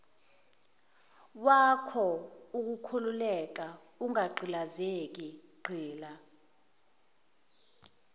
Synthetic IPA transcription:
wakʰɔuk̬ukʰululɛk̬a | uŋaɡ͡ǃʱilazek̬iɡ͡ǃʱiːla

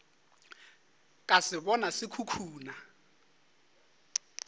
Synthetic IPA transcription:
kʼasɪbɔnasɪkʰukʰuːna

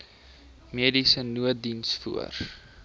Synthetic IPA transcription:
miədisənuədinsfṵə̰r

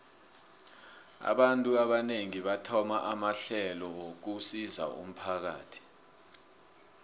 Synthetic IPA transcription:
a̰ɓantʼuaɓaneŋiɓatʰɔmaʔamaɬɛlɔok̬usiza̰ṵm̩pʰak̬a̰ːtʰi̥

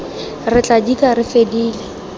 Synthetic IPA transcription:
rɪt͡ɬʼadikʼarɪfediːlɪ

